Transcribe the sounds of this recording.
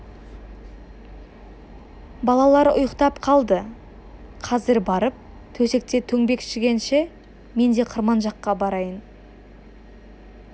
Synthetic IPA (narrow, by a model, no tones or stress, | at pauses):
bɑlˠɑlˠɑɾʊ̰jəqt̪ɑpqʰɑlˠd̪ə | qʰɑzɪɾbɑɾəp̚ | t̪ʰɵse̞k̚t̪e̞t̪ʰɵŋbe̞kʃɪɡʲe̞nʃe̞ | me̞nd̪e̞qʰəɾmɑnʒɑqːɑbɑɾɑjən